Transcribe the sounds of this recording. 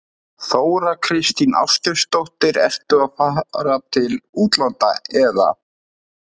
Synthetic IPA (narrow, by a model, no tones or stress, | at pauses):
θoːwɾakʰɾɪst̪ina̰wscʏɾst̪owht̪ɪɾɛ̰r̥t̪ʏaðfaːɾat̪ʰɪluːt̪lant̪a̰ɛða̰